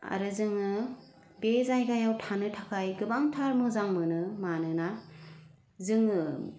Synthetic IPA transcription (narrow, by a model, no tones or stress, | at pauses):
a̰ɾɯzɯŋɯ | bezajɡajawtʰanɯtʰakʰajɡɯbaŋtʰaɾmɯzaŋmɯnɯmanɯna | zɯŋɯ